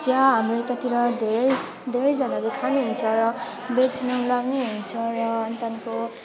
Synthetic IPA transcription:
tijaɦamret̪ʌt̪iɾʌd̪ʱeɾʌj | d̪ʱeɾʌjd͡zanalekʰaniɦunt͡sʰʌɾʌ | bet͡sʰinʌŋlaɡniɦunt͡sʰʌɾʌʌnit̪anko

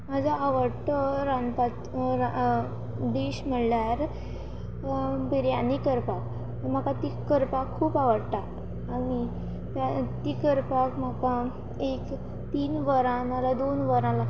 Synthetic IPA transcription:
mad͡zʱaːʋəɽt̪əɾanpat̪a | d̪eɕm̤əɽljaɾ | biɾjanikəɾpak̪ | əm̤akat̪ikəɾpakʰːuːpaʋəɽt̪aː | ni | t̪at̪ikəɾpakm̤aka | ek | t̪iːnʋəɾãnalad̪onʋəɾãla

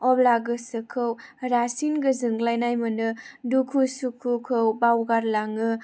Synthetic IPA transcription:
ɔblaɡɯsɯkʰɯwɾasinɡɯzɯŋɡlajnajmɯnɯdukʰusukʰukʰɯwbawɡaɾlaŋɯ

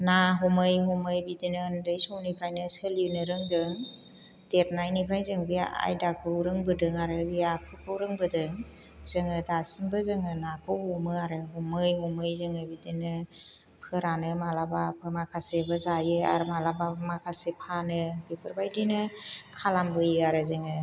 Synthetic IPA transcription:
naɦɔmɯjɦɔmɯjbidinɯːndɯjsɔwnipʰɾajnɯsɯlinɯɾɯŋdɯŋ | d̥et̚najnipʰɾajzɯŋbia̰jdakʰɯwɾɯŋbɯdɯŋaɾɯbijakʰɯpʰɯwɾɯŋbɯdɯŋ | zɯŋɯdasimbɯzɯŋɯnakʰɯɔmɯaɾɯɦɔmɯjɦɔmɯjzɯŋɯbidinɯ | pʰɯɾanɯmalabapʰɯmakʰasebɯzajɯa̰ɾɯmalabamakʰasepʰanɯbepʰɯɾbajdinɯkʰalambɯjɯaɾɯzɯŋɯ

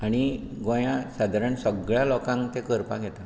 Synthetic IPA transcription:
aɽ̃iɡɔ̃jãsad̪ʱaɾəɳsəɡɭjalɔkãŋkt̪ekəɾpaɡʱɛt̪a

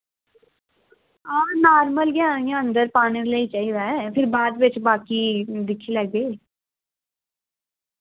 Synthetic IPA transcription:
ãːnaːɾməlɡjãːijãə̃nd̪əɾpaːɽ̃ileit͡ʃaːiɾaɛpʰɪɾbaːd̪ʋɪt͡ʃbaːkid̪ɪkʰilɛːɡei

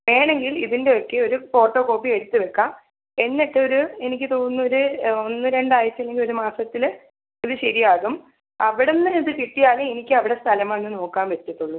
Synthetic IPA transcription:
ʋe̞ːɳe̞ŋɡiliðinde̞o̞kːe̞o̞ɾufo̞ːʈːo̞ːko̞ːpːie̞ɽut̪ːɨʋe̞kːaːm | e̞nːiʈːɨoɾue̞nikʲːɨt̪oːnːuoɾuonːɨɾe̞ɳɖaːjɐt͡ɕːɐlːe̞ŋɡiloɾumaːsɐt̪ːil | iðɨɕɐɾijaːɣum | ɐʋiɽenːɐniðɨkiʈːijaːluenikʲːɨɐʋiɽe̞st̪ʰɐlɐmaenːɨno̞ːkːaːnʋet̪ːɐt̪ːuɭːu

